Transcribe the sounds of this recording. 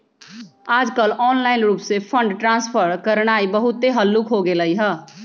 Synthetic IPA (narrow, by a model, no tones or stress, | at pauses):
aːd͡ʒkəlɔːnlaːɪnɾuːpsepʰə̃ɳɖʈɾãːnspʰəɾkəɾɽ̃aːibəɦʊt̪ːeɦəlːukɦoɡeləiɦɛː